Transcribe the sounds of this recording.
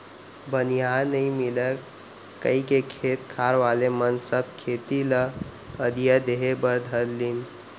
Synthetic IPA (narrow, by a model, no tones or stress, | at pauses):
bənijanəĩmilə | kə̰ikekʰet̪kʰaɾʋalemənsəb̚ʱkʰet̪ilə | əd̪ijad̪eɦebəɾd̪ʱəlːin